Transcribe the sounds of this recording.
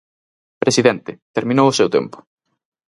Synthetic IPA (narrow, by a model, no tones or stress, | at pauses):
pɾesiðɛnt̪ɪt̪eɾmĩnowʊsɛwt̪ɛ̰mpʊ̥